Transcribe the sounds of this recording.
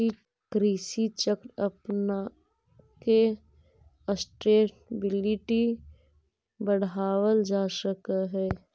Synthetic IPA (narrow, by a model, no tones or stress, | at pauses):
i | kɾiːsit͡ʃəkɾəpna | ke | əsʈeːʈbɪlɪʈi | bəɽaːwəld͡ʒaːsəkaɦɛː